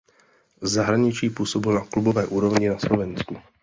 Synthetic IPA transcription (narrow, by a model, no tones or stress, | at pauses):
zzaɦɾaɲɪt͡ʃiːpuːsɔbilnaklubɔvɛːʔuːɾɔvɲinaslɔvɛnsku